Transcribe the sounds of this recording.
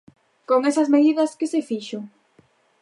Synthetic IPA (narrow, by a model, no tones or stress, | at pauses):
koŋesɐzmeðiðɐskɪsefiʃo